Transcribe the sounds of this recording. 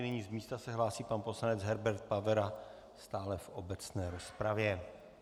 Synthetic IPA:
niɲiːzmiːst̪asɛɦlaːsiːpanpo̞slanɛd͡zɦɛɾbɛɾt̪̚pavɛɾa | st̪aːlɛfʔo̞bɛt͡snɛːɾo̞spɾavjɛ

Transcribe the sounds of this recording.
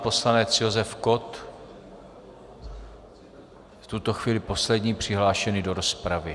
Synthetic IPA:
po̞slanɛt͡sjo̞zɛfko̞t̪ | ft̪ut̪o̞xviːlɪpo̞slɛdɲiːpr̝̥ɪɦlaːʃɛnido̞ɾo̞spɾavɪ

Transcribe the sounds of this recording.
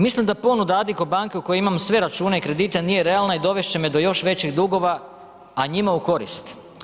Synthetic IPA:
mislimd̪apo̞nud̪aad̪ikobaŋkeuko̞jeimamsʋe̞ɾat͡ʃuːneikɾe̞d̪iːt̪enije̞ɾe̞alnaid̪o̞ʋe̞ʃt͡ɕe̞med̪o̞jo̞ʃʋe̞t͡ɕiɣd̪uɡo̞ʋa | aɲimauko̞ɾḭst̪

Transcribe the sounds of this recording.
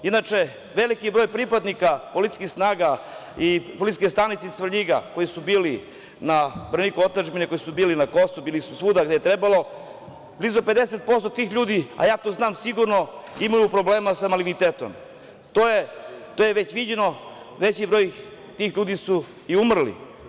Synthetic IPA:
inat͡ʃe̞ | ʋe̞likibɾojpɾipad̪nikapo̞lit̪skixsnaːɡaipolit̪i̥skest̪anit̪seisʋr̩ʎiɡa̰ko̞jisubiːli | nabr̩nikuot̪aʒbinekojisubiːlinako̞subiːlisusʋuːd̪aɡd̪eet̪ɾe̞balo̞ | blizope̞d̪eset̪̚po̞st̪ot̪iːxʎuːd̪ia̰jaːt̪oːznaːmsiɡuɾno̞imajupɾo̞ble̞ːmasamalinit̪eːt̪o̰m | t̪ojet̪ojeʋe̞t͡ɕʋid͡ʑe̞no̞ | ʋe̞t͡ɕibɾo̞j | t̪iːxʎuːd̪isu | iumr̩lḭ

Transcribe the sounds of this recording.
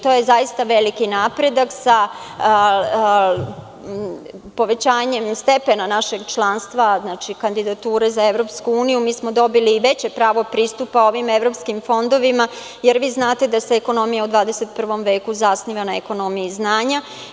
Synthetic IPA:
t̪ojezajist̪aʋe̞likinapɾe̞d̪aksa | po̞ʋe̞t͡ɕaːɲemst̪e̞pe̞nanaʃe̞ɡt͡ʃlˠaːnst̪ʋaznaːt͡ʃikand̪id̪at̪uːɾe̞zae̞ʋɾo̞pskuuːnijumiːsmo̞d̪o̞biliːʋe̞t͡ɕe̞pɾaːʋo̞pɾiːst̪upao̞ʋime̞ʋɾo̞pskimfo̞nd̪o̞ʋima | je̞ɾʋiːznaːt̪e̞d̪ase̞ːko̞no̞mijaud̪ʋaːd̪eset̪̚pr̩ʋo̞mʋe̞ːkuzasniʋanaeko̞no̞mijiznaːɲa

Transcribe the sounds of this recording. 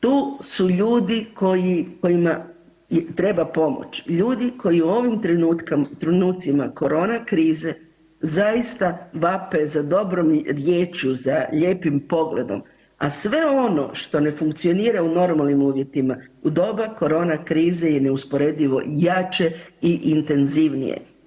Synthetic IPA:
t̪uːsuʎuːd̪iko̞jiko̞jima | jet̪ɾe̞bapo̞mo̰t͡ʃʎuːd̪iko̞jiuo̞ʋimɾt̪kt̪ɾonuːt̪simako̞ɾo̞ːnakɾiːze | zajist̪aʋape̞zad̪o̞bɾo̞mɾje̞ːt͡ʃuzaʎe̞ːpimpo̞ɡle̞̰d̪o̞̰m | asʋe̞o̞no̞̰ʃt̪o̞ne̞fuŋkt̪sio̞niːɾauno̞ɾmalˠnimuːʋje̞t̪imaud̪o̞bako̞ɾo̞ːnakɾiːzejene̞uspo̞ɾe̞d̪iʋo̞̰jat͡ʃe̞iʔint̪e̞nziʋnḭjḛ

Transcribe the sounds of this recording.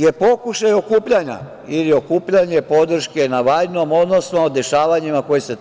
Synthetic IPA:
jepo̞kuʃajo̞kuːpʎaɲa̰ | ilio̞kuːpʎaɲe̞po̞d̪r̩ʃke̞naʋajno̞mo̞d̪no̞snod̪e̞ʃaːʋaɲimako̞jese

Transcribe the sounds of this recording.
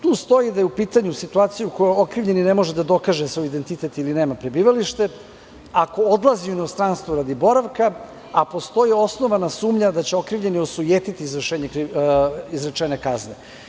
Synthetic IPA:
t̪uːst̪o̞jid̪ajeupiːt̪aɲusit̪uaːt̪sijuuko̞jookɾiʋʎe̞nine̞mo̞ʒed̪ad̪o̞kaʒesʋo̞jid̪e̞nt̪it̪e̞t̪iline̞ːmapɾebiːʋaliʃt̪e̞ | ako̞od̪lˠazioinost̪ɾanst̪ʋoɾad̪ibo̞ɾaʋka | apo̞st̪o̞jio̞sno̞ʋanasuːmʎad̪at͡ɕeo̞kɾiʋʎe̞nio̞sujeːt̪it̪iːzɾrʃeːɲekɾiizɾat͡ʂenekazne

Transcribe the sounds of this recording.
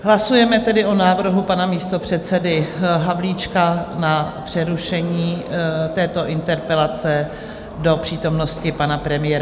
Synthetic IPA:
ɦlasujɛmɛt̪ɛdɪʔo̞naːvr̩ɦupanamiːst̪o̞pr̝̥ɛt̪sɛdɪɦavliːt͡ʃkanapr̝̥ɛɾuʃɛɲiːt̪ɛːt̪o̞ʔɪnt̪ɛɾpɛlat͡sɛ | do̞pr̝̥iːt̪o̞mno̞scɪpanapɾɛmɪjɛːɾa

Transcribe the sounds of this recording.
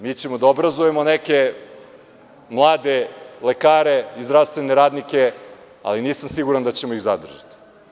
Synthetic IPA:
miːt͡ɕe̞mod̪aobɾazuje̞moneke | mlˠaːd̪elekaːɾeizɾast̪veneɾaːd̪nike̞ | a̰liniːsamsiɡuɾand̪at͡ɕemoiɣzad̪r̩ʒa̰t̪i̥

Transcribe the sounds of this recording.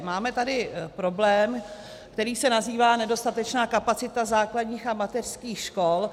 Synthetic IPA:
maːmɛt̪adɪpɾo̞blɛːm | kt̪ɛɾiːsɛnaziːvaːnɛdo̞st̪at̪ɛt͡ʃnaːkapat͡sɪt̪azaːkladɲiːxamat̪ɛr̥skiːxʃko̞l

